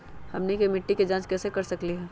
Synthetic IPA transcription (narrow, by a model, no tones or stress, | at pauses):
hɐmnekemɪʈːiked͡ʒãːt͡ʃkɛːsekɐɾsɐkliɦɛː